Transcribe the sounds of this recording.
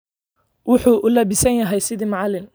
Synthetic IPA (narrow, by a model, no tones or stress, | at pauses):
wʊħuːʔʊlɐbɪsɐnjɐɦɛjsɪðimɑʕɑlɪn